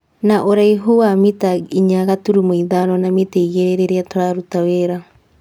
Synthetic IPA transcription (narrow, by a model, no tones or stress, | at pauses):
naʔoɾaiɦuwamitaiɲaɣatuɾumoiðaɾɔnamitaiɣeɾeɾeɾeatoɾaɾutaweɾa